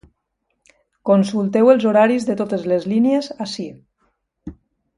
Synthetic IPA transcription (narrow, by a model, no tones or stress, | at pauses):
konsulˠt̪ɛwelˠzoɾaɾizðət̪ot̪əzlezliniezasi